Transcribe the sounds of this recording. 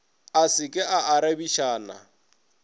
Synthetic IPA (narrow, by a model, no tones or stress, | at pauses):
asɪkʼɪʔaʔaɾabiʃaːna̰